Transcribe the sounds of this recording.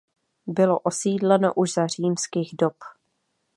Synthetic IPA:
bɪlo̞ʔo̞siːdlɛno̞̰ʔuʒzar̝iːmskiːɣdop

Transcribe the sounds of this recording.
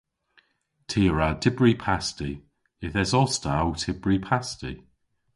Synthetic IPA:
tʰiːɹatʰɪbɹipʰasti | ɪθɛsɔstawtʰɪb̥ɹipʰastḭ

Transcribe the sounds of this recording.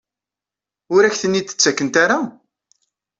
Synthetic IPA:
ʊɾæçθənːit̪ːə̥t͡sːækːənt̪aɾa

